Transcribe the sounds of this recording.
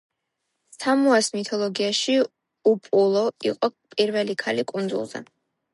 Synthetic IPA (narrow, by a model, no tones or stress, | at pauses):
st̪ʰamɔɛsmit̪ʰɔlˠɔɡiaʃi | upʼulˠɔiqʼɔpʼiɾvɛlikʰalikʼund̪zṵlˠz̥ɛ̰